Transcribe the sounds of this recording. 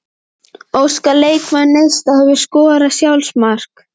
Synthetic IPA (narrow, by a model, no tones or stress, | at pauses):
oːwskaleːjkmanːejst̪ahɛvɪskɔːɾasjawlsmar̥k